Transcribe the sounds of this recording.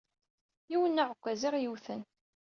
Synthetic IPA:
iwənːaʕəkʷːæziʁjəwθən

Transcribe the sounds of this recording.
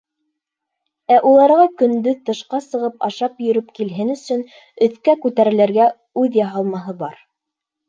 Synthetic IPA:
æʔulˠɑɾʁɑkɵ̆nd̪ɵðt̪ɤ̆ʃqɑsɤ̆ʁɤpɑʃɑpjɵ̆ɾɵpkilɦɘnɵ̆sɵn | ɵ̆θkækʉt̪æɾɘ̆læɾɡæ | ʉðjɑɦɑlˠmɑɦɤbɑɾ

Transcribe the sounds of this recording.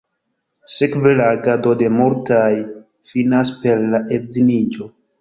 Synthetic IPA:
sekvelaɡado̞de̞muɾtaj | finaspe̞ɾlaʔezinid͡ʒo̞

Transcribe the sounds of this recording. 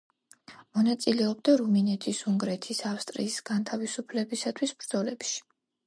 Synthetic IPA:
mɔnat̪sʼilɛɔb̚d̪aɾuminɛt̪ʰisuŋɡɾɛt̪ʰisafst̪ʼɾḭːsɡ̥ant̪ʰavisupʰlɛbisat̪ʰwisbɾd̪zɔlɛpʃi̥

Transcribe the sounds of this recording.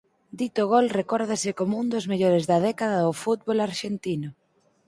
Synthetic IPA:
d̪it̪ʊɣolrekɔɾðasɪkomund̪ʊzmeʎoɾezðɐðɛkaðaðʊfut̪̚βolaɾʃent̪inʊ

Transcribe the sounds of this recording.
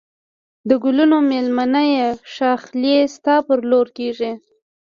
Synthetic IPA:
d̪əɡʊlunomelmanəjeʃɑxljest̪ɑpəɾloɾkeʐi

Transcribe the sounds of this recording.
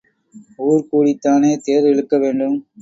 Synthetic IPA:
uːɾkuːɽit̪ːaːneːt̪eːɾɪɻɯkːɐʋeːɳɖɯm

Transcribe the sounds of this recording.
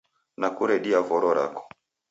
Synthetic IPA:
nakuɾɛɗiavɔɾɔɾa̰kɔ̥

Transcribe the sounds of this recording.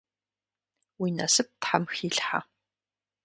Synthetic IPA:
winɐsɨp̚tħamxiːɬħa̰

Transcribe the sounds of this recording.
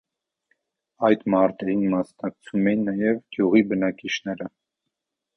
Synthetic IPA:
ɑjt̪mɑɾt̪ɛɾinmɑsnɑk̚t͡sʰumɛjinːɑjɛvɡ̥juʁibənɑkit͡ʃʰnɛɾə

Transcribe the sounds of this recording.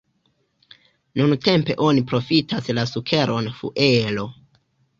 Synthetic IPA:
nunte̞mpe̞̰ʔo̞nipɾo̞fitaslasukʰe̞ɾʔo̞nfṵʔelo̞

